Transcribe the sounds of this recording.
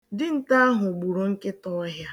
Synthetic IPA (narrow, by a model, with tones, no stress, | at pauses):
dɪ˦n̩˨ta˦a˦ɦʊ˨ɡ͡bu˨ɾo˨ŋ̩˦ke˦tɔ˦a˦ɦja˦